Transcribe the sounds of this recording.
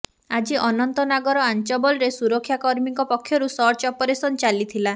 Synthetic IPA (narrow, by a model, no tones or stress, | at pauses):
ad͡ʒiʔɔnɔnt̪ɔnaɡɔɾɔant͡ʃɔbɔlɔɾesuɾɔkʰːjakɔɾmiŋkɔpɔkʰːjɔɾusɔɾt͡ʃɔpɔɾesɔnt͡ʃalit̪ʰila